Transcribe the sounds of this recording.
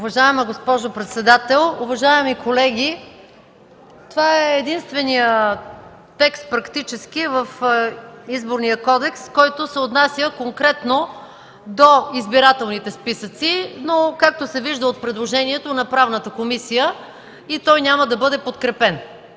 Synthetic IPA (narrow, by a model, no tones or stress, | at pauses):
ʊvɐʒaɛməɡospɔʒopɾɛt̪sɛd̪at̪ɛlˠʊvɐʒaɛmikʰolɛɡʲi | t̪ovaɛːd̪inst̪vɛnijə | t̪ɛkst̪̚pɾɐkt̪it͡ʃɛsk̟ivəf | izboɾnijəkɔd̪ɛkskɔjt̪osɛot̪nasʲjəkoŋkɾɛt̪no | d̪oizbiɾat̪ɛlˠnit̪ɛspisət̪sinokak̚t̪osɛviʒd̪əot̪̚pɾɛd̪lˠoʒɛniɛt̪onɐpɾavnət̪əkomisijə | it̪ɔjnʲaməd̪ɐbɤd̪ɛpot̪kɾɛpɛn